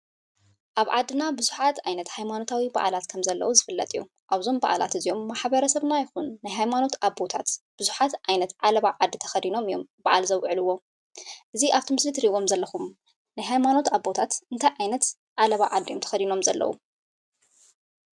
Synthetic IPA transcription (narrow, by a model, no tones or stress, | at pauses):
ʔaβʕa̰d̪ːɨnabɨzuħat̪ajnɐt̪hajmano̞t̪ʰawiba̰ʔa̰lat̪kʰɐmzɐlːɐ̰wuzɨfɨlːɐ̰t̪ʼɨjːu | ʔaβzo̞mba̰ʔa̰lʔa̰t̪ɨzijo̞mːaħbɐɾɐsɐβnajɪxunːajɦajmano̞t̪aβbo̞t̪ʰat̪b̥ɨzuħat̪ʔajnɐt̪ʕalɐβaʕad̪ːit̪ʰɐ̥xɐd̪ino̞mɨjo̞̰mbaʕa̰lzɐwʕɨlɨwːo̞ | ʔɨziʔaβt̪ʰimɨslit̪ʰɾiβo̞mzɐlːɐxum | najɦajmano̞t̪aβbo̞t̪ʰat̪ɨnt̪ʰajʕajnɐt̪ | ʕalɐβaʕad̪jomt̪ʰɐ̥xɐd̪ino̞mzɐlːɐ̰wṵ